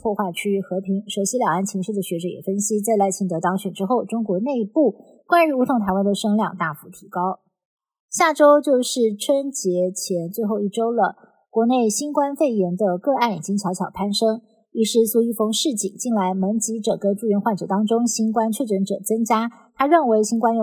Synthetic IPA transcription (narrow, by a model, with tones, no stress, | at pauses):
pʰwɔ˥˧xwa˥˩ɪt͡ɕʰy˥˧xɤ˧˥pʰi˧˥ŋʂo˧˥ɕi˧˥ljɑ˨˩ŋa˥˩nt͡ɕʰi˧˥ŋʂɻ̩˥˩d̪ə˩ɕɥɛ˧˥ʈ͡ʂɤ˧˩˥jɛ̰˨˩fə˥nɕi˥t͡sa˥˧ɪla˧˥ɪt͡ɕʰi˥˩t̪ɤ˧˥t̪ɑ˥ŋɕɥɛ˨˩nʈ͡ʂɻ̩˥xo˥˩ʊʈ͡ʂʊ˥ŋkwɔ˧˥ne˥˧ɪpu˥˩ | kwa˥ny˧˥u˧˥t̪ʰʊ˧˥ŋt̪ʰa˧˥ɪwa˥nd̪ə˨ʂɤ˥ŋljɑ̰˥˧ŋt̪a˥˩fu˧˥t̪ʰi˧˥kɑ˥ʊ | ɕja˥˩ʈ͡ʂo˥ʊt͡ɕjo˥˧ʊʂɻ̩˥˩ʈ͡ʂʰwə˥nt͡ɕjɛ˧˥t͡ɕʰjɛ˧˥nt͡swe˥˧ɪxo˥˧ʊi˥˩ʈ͡ʂo˥ʊlə˨ | kwɔ˧˥ne˥˩ɪɕi˥nkwa˥nfe˥˩ɪjɛ˧˥nd̪ə˧kɤ˥˧a˥˩nḭ˨˩t͡ɕi˥ŋt͡ɕʰjɑ˧˥ʊt͡ɕʰjɑ˨˩ʊpʰa˥nʂɤ˥ŋ | i˧˥˩ʂɻ̩˥˩su˥˧i˥˩fɤ˧˥ŋʂɻ̩˥˩t͡ɕḭ˨˩˦ŋt͡ɕi˥˩nla˧˥ɪmə˧˥nt͡ɕi˧˥ʈ͡ʂɤ˨˩kə˥ʈ͡ʂu˥˩ɥɛ˧˥nxwa˥˩nʈ͡ʂɤ̰˨˩t̪ɑ˥ŋʈ͡ʂʊ˥ŋɕi˥nkwa˥nt͡ɕʰɥɛ˥˩ʈ͡ʂə˧˥nʈ͡ʂɤ˨˩t͡sɤ˥ŋt͡ɕja˥ | t̪ʰa˥ɻə˥˩nwe˧˥ɪɕi˥nkwa˥njo˧˩